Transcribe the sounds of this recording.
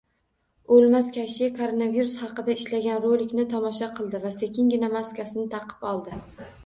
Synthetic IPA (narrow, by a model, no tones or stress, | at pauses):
olˠmaskʲʰaʃkʰoɾonaviɾusχɑqɨd̪aɪʃlaɡʲanɾolɪkʲnɪt̪ʰɒmɒʃaqʰɨlˠd̪ɪvasekʲʰɪŋɡʲɪnamaskʲasɪnɪt̪ʰɑqʰɨ̥pɒlˠd̪ɪ